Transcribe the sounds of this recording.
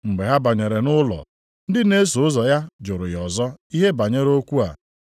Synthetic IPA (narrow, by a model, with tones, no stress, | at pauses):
ŋ͡m̩˨ɡ͡be˨ɦa˦ba˨ɲe˨ɾe˨nʊ˦lɔ̰˨ | n̩˦dɪ˦ne˦so˨ʊ˦zɔ˨ja˦d͡ʒʊ˨ɾʊ˨jɔ˨zɔ˦i˦ɦe˦ba˨ɲe˦ɾo˦kʷu˦a̰˨